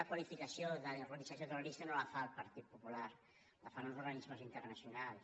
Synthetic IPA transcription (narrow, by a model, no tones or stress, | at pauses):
akwalifikasjoðərolisasjot̪əroɾist̪anolafalˠpaɾt̪it̪̚pupulaɾ | lafanalzuɾɣanizməzint̪əɾnasjunals